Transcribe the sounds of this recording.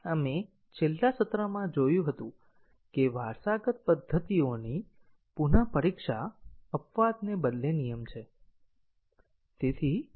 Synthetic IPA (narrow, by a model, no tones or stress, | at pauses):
əme | t͡ʃʰelːasət̪ɾəmãd͡ʒojũɦət̪ũ | keʋaɾsaɡət̪̚pəd̪ʱːət̪ioni | punapəɾikʃaəpʋad̪nebəd̪lenijəmt͡ʃʰe | t̪et̪ʰi